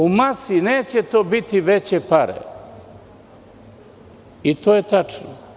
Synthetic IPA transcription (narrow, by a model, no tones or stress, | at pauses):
umasineːt͡ɕe̞t̪o̞ːbit̪iʋet͡ɕepaɾḛ | it̪oːjet̪at͡ʂno̰